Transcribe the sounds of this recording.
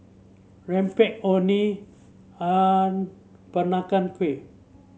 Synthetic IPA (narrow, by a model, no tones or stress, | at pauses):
rɛmpɛʔoni | an | b̥ənakanke